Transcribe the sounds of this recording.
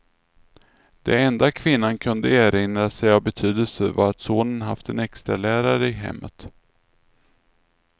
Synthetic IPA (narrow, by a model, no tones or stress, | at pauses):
d̪̥ɛɛnd̪akʰvɪnːankʰɵnd̪əæːɾɪnɾasɛjavbɛt̪ʰyːd̪əlsəva̰ɾat̪soːnənɦa̰ft̪ɛnɛkst̪ɾalæːɾaɾəɪɦɛ̰mːə̰t̪